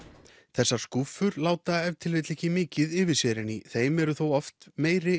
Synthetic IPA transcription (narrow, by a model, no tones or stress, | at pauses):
θɛsːḁskufʏɾlaːwt̪aɛvt̪ʰɪlvet̪lecɪmɪːcɪðɪvɪsɛɾɪniθeːjmɛɾʏθowɔft̪meːjɾɪ